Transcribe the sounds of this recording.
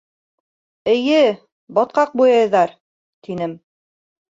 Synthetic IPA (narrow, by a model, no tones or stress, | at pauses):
ɘ̆jɘ | bɒt̪̚qɑq̚bujɑjɤ̆ðɑɾ | t̪inɘm